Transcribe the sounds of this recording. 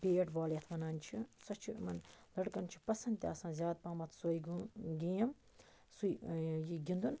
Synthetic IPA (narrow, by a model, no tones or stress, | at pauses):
peːʈʋaːljɐt̪ʰʋɐnaːnt͡ʃʰisɐt͡ʃʰimɐnlɐɽkɐnt͡ʃʰi̥pɐsɐnd̪t̪ʲa̰ːsãːnzʲjaːd̪̚paːmɐt̪ʰsoːjɡɡijɐm | sujjiɡʲind̪un